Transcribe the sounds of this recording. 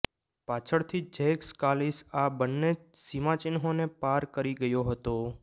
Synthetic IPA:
pat͡ʃʰəɽt̪ʰid͡ʒekskalisabənːesimãt͡ʃɪnɦonepaɾkəɾiɡəjoɦət̪o

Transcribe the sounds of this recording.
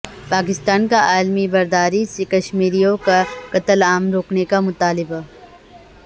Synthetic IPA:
paːk̬ɪst̪aːnkaʔaːlmibɐɾd̪aːɾisekɐʃmiːɾijõkakɐt̪əlaːmɾoːknekamʊt̪aːlɪba

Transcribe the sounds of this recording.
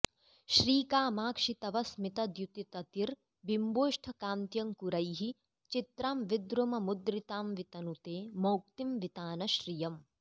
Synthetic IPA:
ʃɾiːkaːmaːkʂit̪ɐʋɐsmit̪ɐd̪jut̪it̪ɐt̪iɾ | bimboːʂʈʰɐkaːnt̪jɐŋkuɾɐjɦi | t͡ʃit̪ɾaːmʋid̪ɾumɐmud̪ɾit̪aːmʋit̪ɐnut̪eːmɐwk̚t̪imʋit̪aːnɐʃɾijɐm

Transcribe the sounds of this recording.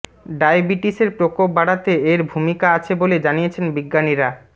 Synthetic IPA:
ɖajbiʈiseɾpɾokopbaɽat̪eeɾbʱumikaat͡ɕʰeboled͡ʑanijet͡ɕʰenbiɡːaniɾa

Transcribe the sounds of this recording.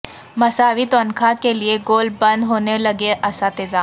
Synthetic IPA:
mɐsaːʋit̪ənkʰakelieɡoːlbɐ̃nd̪ɦoːnelɐɡeʔɐsat̪ezaː

